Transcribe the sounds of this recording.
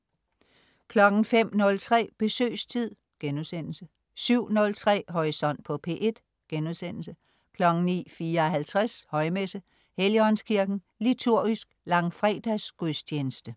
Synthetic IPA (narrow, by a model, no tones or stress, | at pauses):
kʰlɒ̽ɡ̥n̩fem̰nɔ̽lt͡sʰʁɛ̰ːb̥e̝sø̰ːst͡sʰið̰ˠ | ɡ̥enuðˠsen̰l̩sə | syʊ̰nɔ̽lt͡sʰʁɛ̰ːɦɒʁisɒ̽n̰d̥̚pʰɒ̽pʰe̝̰ːʔe̝d̥ | ɡ̥enuðˠsen̰l̩sə | kʰlɒ̽ɡ̥n̩nḭːfiːɐɒ̽ɦælt͡sʰʁashɒ̽ɪmesə | heliɒ̽nskʰiɐɡ̥n̩ | lit͡sʰuɐ̰ɡ̥isɡ̥lɑ̈ŋfʁɛ̰d̥æsɡ̥ust͡ɕʰeːnəsd̥ə